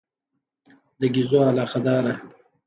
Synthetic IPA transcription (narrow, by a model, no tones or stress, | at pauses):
d̪əɡizoːalɑːqad̪ɑːɾa